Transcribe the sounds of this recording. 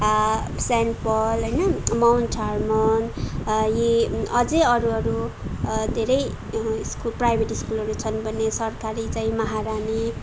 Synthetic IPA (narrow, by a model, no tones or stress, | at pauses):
sɛnpʌlɦʌjnʌmawnʈʰarmʌnjiʌd͡zeʌɾuɦʌɾu | d̪ʱeɾʌj | skulprajbʱeʈiskulʌɾut͡sʰʌnbʱʌnːesʌrkaɾit͡saĩmʌɦaɾane